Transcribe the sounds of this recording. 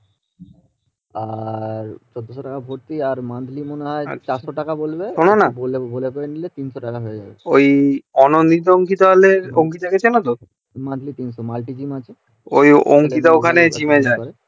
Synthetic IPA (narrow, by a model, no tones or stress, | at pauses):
aɾt͡ɕɔd̪ʱːoʃoʈakabʱoɾt̪iaɾmand̪ʱlimoneɦɔḛt͡ɕaɾʃoʈakabolbeononabolebolekoɾenilet̪inʃoʈakaɦojed͡ʑa̰beojɔnond̪it̪̬ooŋkit̪oɦaleɾoŋk̬it̪aɡet͡ɕʰenat̪o | mand̪ʱlit̪inʃomalʈid͡ʑimat͡ɕʰe | ojoŋkit̪̬aokʰaned͡ʑimed͡ʑaeɾe